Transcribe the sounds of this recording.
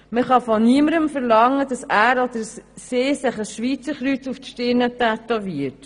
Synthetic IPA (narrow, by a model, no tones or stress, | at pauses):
məχɑfɔniəməɾəmfəɾlɑŋːəd̥ɑsæːɾɔd̪əɾseːsəχəsʃʋiːt͡səɾχɾyːt͡suftʃtɪɾnət̪ɛːt̪ɔʋiət